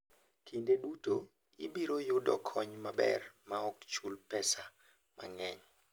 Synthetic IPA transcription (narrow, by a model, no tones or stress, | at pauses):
kʰindeduto | ibiɾojʊdɔkʰɔɲmabɛ̰rmaɔkt͡ʃulpɛsa | mʔa̰ŋɛɲ